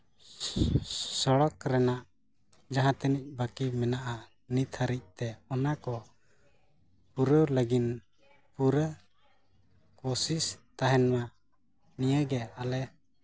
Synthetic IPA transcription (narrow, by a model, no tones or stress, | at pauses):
sɔɽɔkɾɛnaʔ | d͡ʒaɦãt̪ɛnic̚bəkimɛnaʔa | nit̪ʰaɾic̚t̪ɛɔnakɔ | puɾələɡin | puɾə | kɔsist̪aɦɛnma | nijəɡɛalɛ